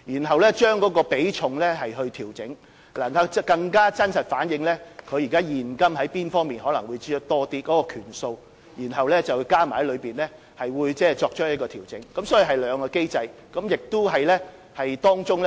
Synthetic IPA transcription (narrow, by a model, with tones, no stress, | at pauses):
jiː˨˩nɦɐ˨wlɛ˥t͡ʃœː˥ŋkɔː˨˥kɔː˧pe˨˥jt͡ʃʰʊ˨˧ŋlɛ˥ɦɐ˨jɦɵ˧ɥt̪ʰiː˨˩wt͡sɪ˨˥ŋ | laː˨˩ka˧kɐ˧ŋkaː˥t͡sɐ˥nsɐ˨t̚faː˨˥njɪ˨˧ŋlɛː˥kʰɵ˨˧ɥjiː˨kaː˥jiː˨˩nkɐ˥mhɐ˨˥jpiː˥nfɔː˥ŋmiː˨˩nɦɔː˨˥lɐ˨˩ŋwuː˨˧jt͡siː˧ɔ˥t̪ɔː˥t̪iː˧kɔː˨˥kɔː˧kʰyː˨˩nso˧w | jiː˨˩nɦɐ˨wlɛː˥t͡sɐ˨wu˨˧jkaː˥ma˨˩hɐ˨˥jlɵ˨˧ɥpiː˨nlɛ˥ | hɐ˨jwuː˨˧jt͡sɛː˥t͡ʃɔː˧k̚t͡ʃʰœː˥jɐ˥t̚kɔː˧t̪ʰiː˨˩wt͡sɪ̰˨˥ŋkɐ˨˧˥msɔː˨˥ji˨˧ɦɐ˨jlœː˨˧ŋkɔː˧ke˥jt͡sɐ˧j | kɐ˨˥mjɪ˨k̚t̪ʊ˥ɦɐ˨jlɛː˥ | hɐ˨jt̪ɔː˥ŋt͡sʊ˥ŋlɛ